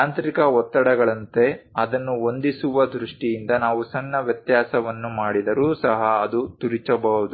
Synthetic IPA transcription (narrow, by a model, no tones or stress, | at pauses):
aːnt̪ɾikɐɔt̪ːɐɽɐɡɐɭɐnt̪e̞ | ɐd̪ɐnːuo̞nd̪isuʋɐd̪ɾuʂʈijind̪ɐnaːʋusɐnːɐʋjɐt̪jaːsɐʋɐnːumaːɽid̪ɐɾuːsɐɦɐːd̪ut̪uɾit͡ʃɐbɐɦud̪u